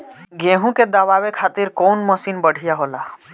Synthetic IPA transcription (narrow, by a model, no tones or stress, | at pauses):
ɡẽːɦũked̪aʋaːwekʰaːt̪ɪɾkoːnməsiːnbəɽ̤ʱijaɦoːla